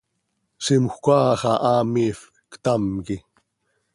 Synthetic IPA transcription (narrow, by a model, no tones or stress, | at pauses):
simxʷkʷaːxɑʔaːmif | kt̪amki